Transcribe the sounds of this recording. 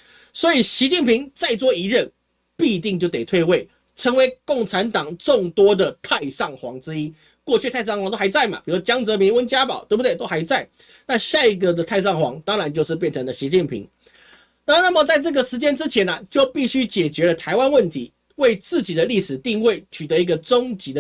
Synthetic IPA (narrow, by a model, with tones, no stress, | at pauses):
swɔ˧˦˥i˨˩ɕi˧˥t͡ɕi˥˩npʰi˧˥ŋt͡sa˥˧ɪt͡swɔ˥˩i˧˥ɻə˥˨n | pi˥˧t̪i˥˧ŋt͡ɕjʊt̪e˨˩t̪ʰwe˥˧ɪwe˥˩ɪ | ʈ͡ʂʰə˧˥ŋwe˧˥ɪkʊ˥˩ŋʈ͡ʂʰa˧˥nt̪ɑ˨˩ŋʈ͡ʂʊ˥˩ŋt̪wɔ˥d̪ə˨t̪ʰa˥˧ɪsɑ˥˩ŋxwɑ̰˧˥ŋʈ͡ʂɻ̩˥i˦˥ | kwɔ˥˧t͡ɕʰy˥˧t̪ʰa˥˧ɪsɑ˥˩ŋxwŋt̪o˥a˧˥ɪt͡sa˥˩ɪmɐ̰˨˩pi˨˩u˦ʂwɔ˥t͡ɕjɑ˥ŋt͡sɤ˧˥mi˧˥nwə˥nt͡ɕja˥pɑ˨˩˦t̪e˥˩bu˩we˥˩ɪt̪o˥ʊxa˧˥ɪt͡sa˥˩ɪ | na˥˧ɕja˥˩i˧˥ɡə˨d̪ə˩t̪ʰa˥˧ɪsɑ˥˩ŋxwɑ̰˧˥ŋt̪ɑ˥ŋɻa˧˦nt͡ɕjo˥˧ʊʂ̬ɻ̩˥˧p̬jɛ˥˩nʈ͡ʂʰə˧˥ŋlə˨ɕi˧˥t͡ɕi˥˩npʰḭ˧˥ŋ | na˧˥o˥˧na˥˩mə˨˩t͡sa˥˧ɪʈ͡ʂɤ˥˩ɡə˩ʂɻ̩˧˥t͡ɕjɛ˥nʈ͡ʂɻ̩˥t͡ɕʰjɛ˧˦˥nɐ˨t͡ɕjo˥˧ʊpi˥˩ɕy˥t͡ɕjɛ˨˩t͡ɕɥɛ˧˥lə˧t̪ʰa˧˥ɪwa˦nwə˥˩nt̪ʰi˧˥˦ | we˥˧ɪt͡sɹ̩˥˩t͡ɕi˨˩d̪ə˦li˥˩ʂɻ̩˨˩t̪i˥˧ŋwe˥˩ɪt͡ɕʰy˨˩ə˧˦i˧˥ɡə˨ʈ͡ʂʊ˥ŋt͡ɕi˧˥d̪ə˧